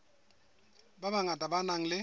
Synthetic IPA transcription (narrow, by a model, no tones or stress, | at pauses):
babaŋatʼabanaŋ̩lɪ